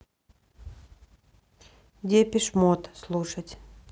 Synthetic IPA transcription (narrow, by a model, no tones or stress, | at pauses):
dʲepʲɪʂmot̪slˠuʂətʲ